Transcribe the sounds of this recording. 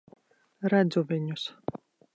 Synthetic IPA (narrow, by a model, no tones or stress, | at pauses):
ɾæd̪zuvʲiɲʊs